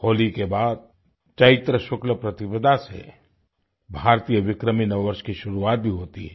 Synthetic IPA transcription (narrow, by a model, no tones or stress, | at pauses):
hoːlikebaːd̪̚ | t͡ʃɐɪt̪ɾəʃʊkləpɾɐt̪ɪbəd̪ʱasḛ | bʱaːɾt̪iːjəʋɪkɾəminɐʋʋəɾʃkiʃʊɾuaːt̪̚bʱiɦoːt̪iɦɛː